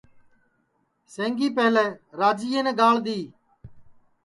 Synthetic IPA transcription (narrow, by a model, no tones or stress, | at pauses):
sẽːŋɡiːpeːleːɾaːd͡ʒiːẽːnẽːɡaːld̪iː